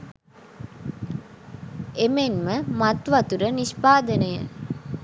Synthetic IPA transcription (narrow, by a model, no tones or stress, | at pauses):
emenməmat̪ʋɐt̪uɾənispaːd̪ənəjə̰